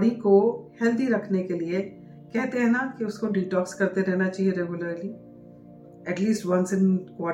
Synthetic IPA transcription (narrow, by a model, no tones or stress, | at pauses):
ɽikohɛːld̪iɾɐkʰnekelie | kɛɦt̪eɦɛ̃ːnakiʊskoɖiːʈɔːkskɐɾt̪eɾɛːnat͡ʃaːɦieɾɛɡʊləɾli | ɛʈliːsʈʋɐ̃nsɪ̃nkaː